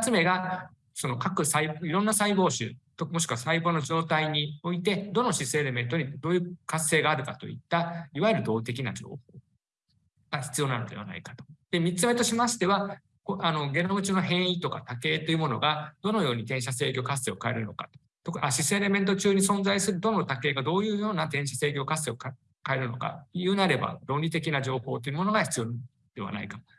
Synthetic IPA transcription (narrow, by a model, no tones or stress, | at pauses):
at͡sɨme̞ɡa | so̞no̞kakɯ̟saiboiɾõ̞nːasaibo̞ːɕɨ̰t̪omo̞ɕ̬i̥kɯβasaibo̞ːno̞d͡ʑo̞ːt̪aiɲ̟io̞it̪e̞d̪o̞no̞ɕisɨeɾe̞mẽ̞nt̪o̞ɲ̟id̪o̞ːjɯ̟kasːe̞ːɡaːɾɯ̟kat̪o̞̰ḭt̪ːaiβaeɾɯ̟d̪o̞ːt̪e̞kʲina̰d͡ʑo̞̰ːho̞ː | ɡ̥açʲi̥t͡sɨjo̞ːnano̞̰d̪e̞̰βa̰na̰ikḁt̪o̥d̪̥e̞mʲit͡sɨme̞t̪o̞ɕimaɕi̥t̪e̞βa | koano̞ɡe̞nomɯ̟t͡ɕinoɦẽ̞ɰ̃it̪o̞ka̰t̪ake̞ːt̪ːe̞jiɯ̟mo̞no̞̰ɡad̪̥o̞no̞jo̞ːɲ̟it̪ẽ̞ɰ̃ɕase̞ːkʲo̞kasːe̞okae̞̰ɾɯ̟no̞̰kḁ̰t̪o̥ | t̪okɯ̟aɕiseɾe̞mẽ̞nt̪̬o̞t͡ɕɨːɲ̟isõ̞nd͡zaisɨɾɯ̟d̪o̞no̞t̪ake̞ːɡad̪o̞ːjɯ̟ːjo̞ːnat̪ẽ̞ɕase̞ːkʲo̞ːkasːe̞ok | kae̞ɾɯ̟no̞̰ka̰jɯ̟ːnaɾe̞ba̰ɾõ̞nʲɾʲit̪̬e̞k̬ʲinaʑo̞ːho̞ːt̪ːeiɯ̟mo̞no̞ɡaçi̥t͡sɨjo̞n | d̪̥e̞βa̰na̰ikamo